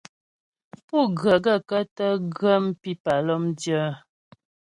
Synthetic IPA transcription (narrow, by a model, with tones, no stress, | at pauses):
pu˦˨ɡə˨ɡə˦˨kə˦tə˦ɡə˦m˦pi˦pa˨lɔ˦mdjə˦